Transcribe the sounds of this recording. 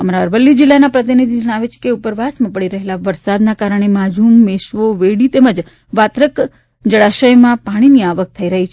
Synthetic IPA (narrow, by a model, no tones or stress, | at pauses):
əmaɾaəɾʋəlːid͡ʒilːanapɾət̪inid̪ʱid͡ʒəɽ̃aʋet͡ʃʰe̥keupəɾʋasmãpəɽiɾəɦelaʋəɾsad̪nakaɾəɳ̃emad͡ʒʱumːeʃʋoʋeɽit̪eməd͡ʒ | ʋat̪ɾək | d͡ʒəɽaʃəjmãpaɽ̃iniaʋək̚t̪ʰəiɾəɦit͡ʃʰ